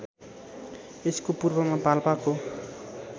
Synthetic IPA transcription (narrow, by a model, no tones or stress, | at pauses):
eskopurbʌmapalpako